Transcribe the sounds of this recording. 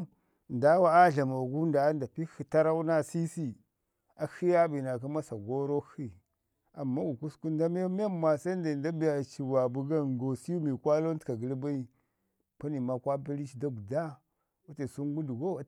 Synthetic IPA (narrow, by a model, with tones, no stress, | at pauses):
n˨da˦wa˦a˦ɮa˨ma˨ɡu˦nda˨˦nda˨pi˦xi˨ta˦ɾa˦u˦na˦si˦si˦ | a˨xi˦ja˦bi˨na˨k̬a˦ma˦sa˨ɡo˦ɾo˦xi˦ | a˨mːa˦wu˨ku˦sku˦n˦da˦m˦m˦a˦ma˨sa˦n˦da˨nda˦bi˦ja˨t͡ʃi˨wa˨bu˦ɡa˦ɡo˨si˦u˦mi˨kʷa˦lo˦n˦tka˨ɡə˨lba˦i˦˨ | pa˦ni˨ma˦kʷa˦pi˦li˦t͡ʃda˦ɡu˨da˦ | wa˦ta˨su˦ŋ˦ɡu˦du˨ɡo˦˨